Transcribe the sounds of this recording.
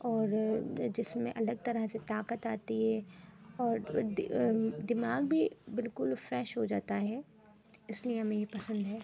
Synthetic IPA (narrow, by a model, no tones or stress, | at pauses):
ɔːɾd͡ʒɪsmẽʔɐləɡ̚t̪ɐɾəɦset̪aːkət̪aːt̪iɦɛːɔːɾ | d̪ɪmaːɡbʱibɪlkʊlfɾɛːʃɦod͡ʒaːt̪aɦɛː | ɪslieɦɐmẽjepɐsə̃nd̪ɦɛː